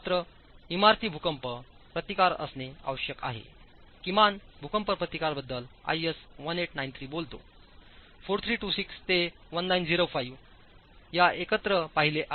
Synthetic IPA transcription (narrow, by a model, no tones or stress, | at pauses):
t̪ɾə | imaɾt̪iːbʱukəmpəpɾət̪ikaɾə̰snea̰ʋəɕjəka̰ɦḛ | kimanbʱukəmpəɾpɾət̪ikaɾbəd̪ːəla̰jesʋəneʈnajnt̪ʰɾiːbolt̪o̰ | foɾt̪ʰɾiːʈusikst̪e | ʋənːaind͡ziɾofaiʋ | jaʔekət̪ɾəpaɦileʔa